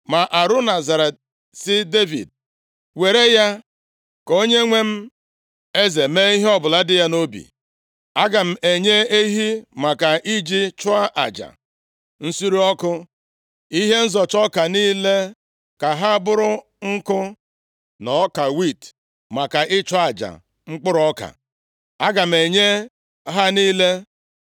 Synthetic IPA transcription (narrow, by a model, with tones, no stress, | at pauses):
ma˨ʔa˨ɾʊ˦na˨za˨ɾe˨t̚ | sɪ˦de˦vḭ˨d̚ | we˨ɾe˦ja˦ | ko˦ɲe˦ŋʷe˦m̩˦ | e˦ze˨me˦i˦ɦe˦ɔ˦bʊ˨la˦dɪ˦ja˦no˦bḭ˨ | a˦ɡa˨m̩˦˨e˨ɲe˦e˦ɦi˦ma˨ka˨ʔi˦d͡ʒi˦t͡ʃʊ˦a˦ʔa̰˨d͡ʒa̰˨ | n̩˦si˦ɾi˦ɔ˦kʊ˦ | i˦ɦe˦n̩˦zɔ˨t͡ʃɔ˦ka˨niː˦le˦ | ka˨ɦa˦a˦bʊ˦ɾʊ˦ | ŋ̩˦kʊ˦ | nɔ˨˦ka˨wi˦˨t | ma˨ka˨ʔɪ˦t͡ʃʊ˦a˨d͡ʒa̰˨ | ŋ͡m̩˦k͡pʊ˦ɾɔ˦ka̰˨ | a˦ɡa˨m̩˨e˨ɲe˦ | ɦa˦niː˦le˦